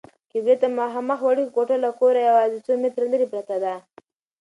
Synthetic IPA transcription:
kibet̪amaɦamaxwaɽikoʈalakoɾajawɑːzɪt͡somɪt̪ɾaləɾipɾat̪ad̪a

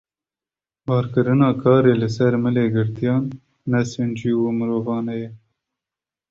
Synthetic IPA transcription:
bɑːɾkɨɾɨnɑːkʰɑːɾeːlɨsɛɾmɨleːɡɨɾt̪ijɑːnː | ɛsɨnd͡ʒiːwumɨɾoːvɑːnɛjɛ

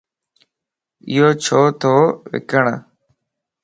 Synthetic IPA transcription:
ɪ̰joːt͡ʃʰoːt̪ʰoːʋɪ̰kəɳ

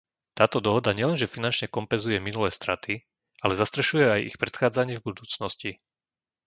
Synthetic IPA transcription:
t̪aːt̪ɔd̪ɔɦɔd̪aɲɪɛlɛnʒɛfinant͡ʃɲɛkɔmpɛnzujɛminulɛːst̪ɾat̪ʰi | ʔalɛzast̪ɾɛʃujɛajḭxpɾɛt̪xaːd͡zaɲɪɛvbud̪uːt͡snɔsci

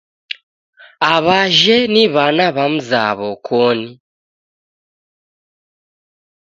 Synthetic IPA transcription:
aβaʒɛniβanaβam̩za̰βɔkʰɔni

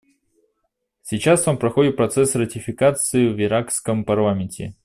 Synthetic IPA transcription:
sʲɪt͡ɕast̪ampɾɐxo̞dʲɪt̪̚pɾɐt̪sɛsrətʲɪfʲɪkat̪sɨjʊvɪɾakskəmpɐrlˠamʲɪnʲtʲɪ̰

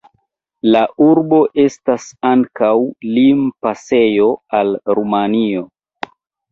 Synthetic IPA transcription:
laʔuɾbo̞ʔe̞stasaŋkawlimpase̞jo̞alɾumanio

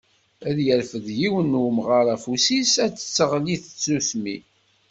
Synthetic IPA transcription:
æðjəɾfəðjiwənːuwmʁaɾˤæfusisæt͡sːə̥t͡sːəʁliθə̥t͡sːuθmi

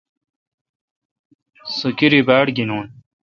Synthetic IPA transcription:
sukiɾibaːɽɡinuːn

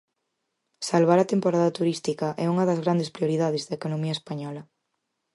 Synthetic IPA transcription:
salβ̞aɾɐt̪empoɾaðɐt̪uɾist̪ikɐʔɛuŋɐðɐzɣɾand̪espɾioɾiðað̞ezðɐekonomiɐespaɲɔlɐ

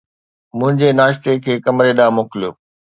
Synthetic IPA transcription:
mʊ̃ɦɪ̃ɲd͡ʑenaːʃt̪ekʰeːkɐmɾeɗaːmoklijoː

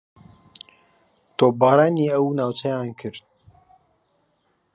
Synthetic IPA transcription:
t̪oːbaːɾaːniːɐwnaːwt͡ʃɐjaːnkʰɨɾt̪̚

